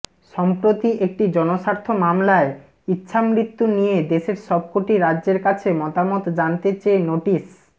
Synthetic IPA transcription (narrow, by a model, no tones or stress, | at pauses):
ʃɔmpɾot̪iʔek̚ʈid͡ʑɔnoʃaɾt̪ʰomamlae | itːɕʰamɾit̪ːunijed̪eʃeɾʃɔb̚koʈiɾadːd͡ʑeɾkat͡ɕʰemɔt̪amot̪d͡ʑant̪et͡ɕeenoʈis